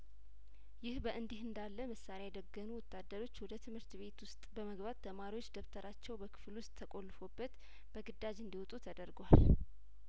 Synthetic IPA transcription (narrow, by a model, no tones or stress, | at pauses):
jɪhbəʔɨnd̪ihɨnd̪alːəmɨsːalajɛd̪əɡːənuwɔt̪ʰːad̪ːəɾo̞t͡ʃːwɔd̪ət̪ʰɨmhɨɾt̪βe̞t̪wʊst̪ʼbəməɡbat̪ːʰəmaɾiwot͡ʃːd̪əft̪ʰəɾʔat͡ʃːɛwbəkʰɨ̥flwʊst̪ʼʰːəkʼolːfo̞bːət̪ | b̥əɡɨd̪ːad͡ʒɨnd̪iwɔt̪ʼut̪ʰəd̪əɾɡwal